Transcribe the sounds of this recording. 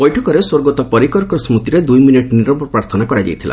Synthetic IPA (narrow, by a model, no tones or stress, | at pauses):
bɔjʈʰɔkɔɾeswoɾɡɔt̪ɔpɔɾikɔɾkɔsmɾut̪iɾed̪ujminiʈniɾɔmpɔpɾaɾt̪ʰɔnakɔɾad͡ʒa̰jt̪ʰilʔa̰